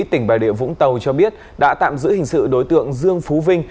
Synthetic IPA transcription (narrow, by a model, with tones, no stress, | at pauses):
t̪ï˧˩ŋ̟ɓaː˨˩jɗi˧˨əvʊ̰˧˥ŋ͡mt̪ə˨˩wt͡ɕɔ˧ɓi˦˥ət̚ | ɗa̰ː˧˥t̪a̰ː˧˨mzɨ̰˧˥hï˨˩ŋ̟sɨ̰˧˨ɗo˨˦jt̪ɨ̰˧˨əŋzɨ˧əŋfu˨˦vï˧ŋ̟